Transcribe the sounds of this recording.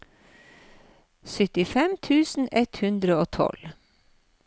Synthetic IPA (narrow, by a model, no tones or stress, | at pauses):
sʏt̪ɪfɛmt̪ʰʉːsn̩ʔɛt̪hʉnd̪ɾəoːt̪ʰɔ̰l